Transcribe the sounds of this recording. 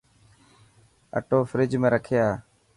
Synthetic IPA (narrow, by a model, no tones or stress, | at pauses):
ə̰ʈoːfɾɪd͡ʒmẽːɾəkʰejaː